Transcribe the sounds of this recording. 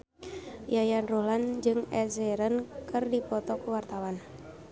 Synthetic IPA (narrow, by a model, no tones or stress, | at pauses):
jajanruland͡ʒɨŋɛzɛɾənkɨrdipɔt̪ɔkuwart̪awan